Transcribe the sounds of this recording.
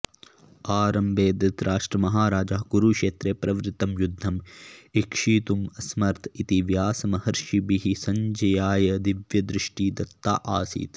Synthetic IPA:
aːɾɐmbeːd̪ɐt̪ɾaːʂʈɾɐmɐɦaːɾaːd͡ʒaɦɡuɾukʂeːt̪ɾeːpɾɐʋɾɪt̪ːɐmjud̪ʱːɐmikʂiːt̪umɐsmɐɾt̪ʰit̪iʋjaːsɐmɐhɐɾʃibiɦisɐɲd͡ʒɐjaːjɐd̪iʋjɐd̪ɾɪʂʈiːd̪ɐt̪ːaːʔa̰ːsḭːt̪

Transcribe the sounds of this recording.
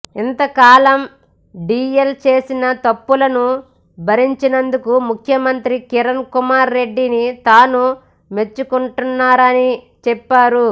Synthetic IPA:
int̪ɐkaːlɐm | ɖiːjɐlt͡ʃeːsinɐt̪ɐpːulɐnu | bʱɐɾiɲt͡ʃinɐnd̪ukumukʰjɐmɐnt̪ɾikiɾɐnkumaːɾːe̞ɖːinit̪aːnu | me̞t͡ʃːukuɳʈunːaːɾɐni | t͡ʃɛpːaːɾu

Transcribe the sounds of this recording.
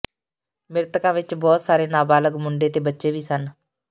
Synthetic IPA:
mɪɾt̪əkãːʋɪt͡ʃbɔːt̪saːɾeːnaːbaːləɡmʊɳɖeːt̪eːbətːʃeːʋiːsən

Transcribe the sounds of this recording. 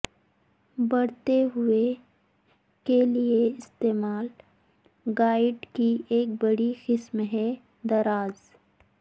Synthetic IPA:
bɐɽt̪eɦʊe | kelieɪst̪eːmaːl | ɡaːɪɖkiʔeːk̚bɐɽixɪsmɦɛ | d̪ɐɾaːz

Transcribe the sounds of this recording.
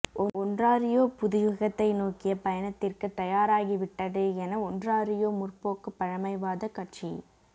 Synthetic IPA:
ʔɔɔndraːɾɪjoːpʊðɪjʊɣɐt̪ːɐɪnoːkɪjɐpɐjɐnɐt̪ːɪrkɯt̪ːɐjaːɾaːɣiʋɪʈːɐðɯɛnɐɔndraːɾɪjoːmʊrpoːkɯpːɐɻɐmɐɪʋaːðɐkɐʈ̚t͡ʃi

